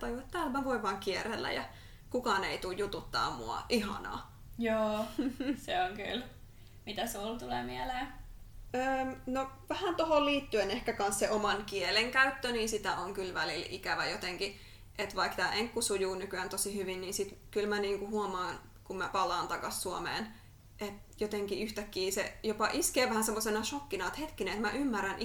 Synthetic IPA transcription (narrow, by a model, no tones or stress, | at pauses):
t̪ɑjuɑt̪t̪æːlmæʋoiʋʋɑːŋkierelːæ̰jɑ̰ | kukɑːˑneit̪ujjut̪ut̪ːɑ̰ːmṵɑ̰ʔihɑ̰nɑ̰ː | joːseoŋky̰l | mit̪æsult̪ulemiæleː | əːmnoʋæhænt̪oholliːt̪ːyenehkækɑnsseʔomɑnkieleŋkæyt̪ːøniːnsit̪æʔoŋkylʋælilḭkæʋæjot̪eŋki | ʔet̪ʋɑikt̪æːʔeŋkːusujuːnykyænt̪osihyʋinniːsit̪kylmæniːŋkuhuomɑːn | kummæpɑlˑɑːnt̪ɑkɑssuomḛːn | ʔet̪ | jot̪eŋkiyht̪ækːiːsḛjopɑʔiskeːʋæhænsemːosenɑʃokːinɑet̪het̪kineet̪mæʔymːærænʔ